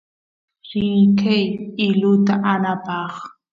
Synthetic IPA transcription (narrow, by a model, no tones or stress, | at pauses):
ɾɪjkʰajɪlʊt̪aʔanapɑχ